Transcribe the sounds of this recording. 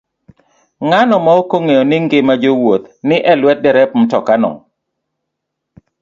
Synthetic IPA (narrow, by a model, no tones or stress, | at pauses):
ŋanɔmaokoŋejɔnɪŋɡɪmad͡ʒowot̪nɪʔɛlwɛt̚dɛɾɛp̚m̩tɔkanɔ̰ŋ